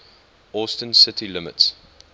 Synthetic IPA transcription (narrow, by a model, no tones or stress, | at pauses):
ɔˑstə̃nsɪtʰilɪmə̰ts